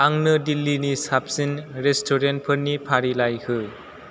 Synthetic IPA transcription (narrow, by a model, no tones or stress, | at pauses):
aŋnɯdilːinisapsinɾestʰoɾent̚pʰɯɾnipʰaɾilajhɯ